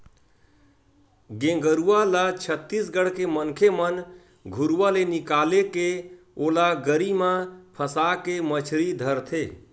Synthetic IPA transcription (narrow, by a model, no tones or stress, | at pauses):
ɡẽŋɡəɾualat͡ʃʰət̪ːisɡəɽ̤kemənkʰemən | ɡʱuɾuwalenikaleke | olaɡəɾimãpʰəsakemət͡ʃʰɾid̪ʱəɾt̪ʰe